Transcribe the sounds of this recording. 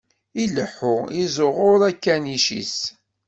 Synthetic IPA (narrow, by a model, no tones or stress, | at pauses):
iləħːʊizʊʁʊɾˤækːæniʃḭs